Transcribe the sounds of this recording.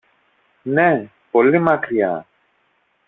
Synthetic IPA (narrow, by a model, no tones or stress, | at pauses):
ne | po̞limɐkɾiɐ̰